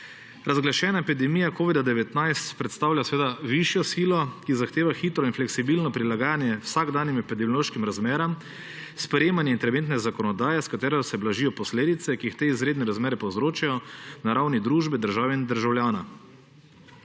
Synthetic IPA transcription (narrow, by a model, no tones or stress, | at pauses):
ɾazɡlaʃɛːnaɛpid̪ɛmiːjakoːʋid̪ad̪ɛʋɛt̪najst̪pɾɛt̪st̪aːwlʲasɛʋeːd̪aʋiʃjɔsiːlɔkizaxt̪eːʋaxit̪ɾɔinflɛksibiːlnɔpɾilaɡaːnjɛwsaɡd̪aːnimɛpid̪ɛmjɔloːʃkimɾazmeːɾam | spɾɛjeːmanjɛint̪ɛɾɛʋeːnt̪nɛzakɔnɔd̪aːjɛskat̪ɛːɾɛsɛblaʒijɔpɔsleːd̪it̪sɛkiixt̪eizɾeːd̪nɛɾazmeːɾɛpɔwzɾoːt͡ʃajɔnaɾawnid̪ɾuːʒbɛd̪əɾʒaːʋɛind̪əɾʒawljaːna